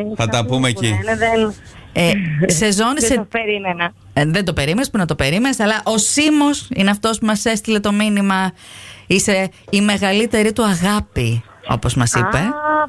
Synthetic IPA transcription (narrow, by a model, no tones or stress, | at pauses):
θɐt̪ɐpumeci | ese̞zo̞nisseɾimenɐ | ðend̪o̞pe̞ɾimenespunɐt̪o̞pe̞ɾime̞nesɐlɐʔo̞simosineɐft̪o̞spumɐse̞st̪ile̞t̪o̞minimɐ | ise̞ime̞ɣɐlit̪e̞ɾit̪uɐɣɐpi | o̞̰po̞zmɐsipe